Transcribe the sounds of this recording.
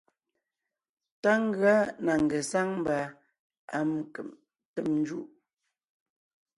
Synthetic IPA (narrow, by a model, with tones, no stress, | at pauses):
ta˦ŋ̩˦ɡa˦na˨ŋ̩˨ɡə˨sa˦ŋm̩˦ba˨ | a˦m˨ə˨m | tə˦˨mn˦d͡ʒu˦˨ʔ